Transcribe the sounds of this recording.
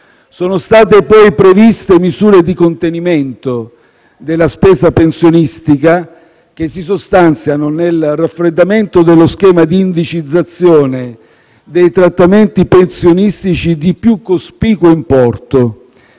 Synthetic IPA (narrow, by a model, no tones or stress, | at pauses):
soːnost̪aːt̪epɔjpɾevist̪emizuːɾed̪ikont̪eniment̪o | d̪elːaspɛːszapensjonist̪ika | k̟esːisost̪ant̪sjanonelrafɾed̪ːament̪od̪elːoskɛːmad̪iːnd̪it͡ʃid̪zːat̪sːjɔːne | d̪ejt̪ɾat̪ːament̪ipensjonist̪it͡ʃid̪ipjukːospiːkoimpɔrt̪o